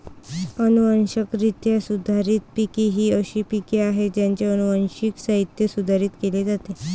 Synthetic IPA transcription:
ənuʋənɕəkɾit̪jasud̪ʱaɾit̪̚pikiɦiːəɕiːpikeaɦed͡ʑjaɲt͡ɕeənuʋənɕikɕaɦit̪jəsud̪ʱaɾiːt̪keled͡zat̪e

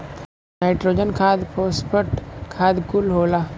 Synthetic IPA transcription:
naɪʈɾoːd͡ʒənkʰaːd̪pʰoːspʰəʈkʰaːd̪kʊlɦoːlaː

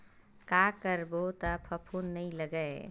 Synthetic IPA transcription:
kaːkəɾbot̪apʰɐpʰuːnːɐɦĩlɐɡəe

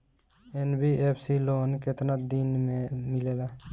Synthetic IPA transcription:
enbiepʰsiloːnket̪nad̪inmemilela

